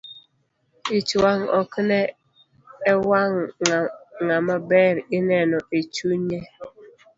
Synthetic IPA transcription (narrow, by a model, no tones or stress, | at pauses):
it͡ʃwaŋɔ̰knɛː | waŋ | ŋamabɛɾɪnɛnɔet͡ʃuɲɛ